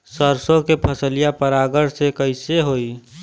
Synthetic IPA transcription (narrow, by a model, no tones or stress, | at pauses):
səɾsõkepʰəsəlijapəɾaɡəɾsekəɪseɦoːi